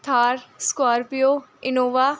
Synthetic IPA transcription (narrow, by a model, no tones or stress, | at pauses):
t̪ʰaːɾskaːɾpijoɪnoːʋa